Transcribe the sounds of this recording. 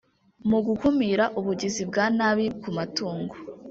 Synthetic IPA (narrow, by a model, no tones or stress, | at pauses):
muɡukumiɾaʔuβuɟizibɡaːnaβikumatuːŋɡo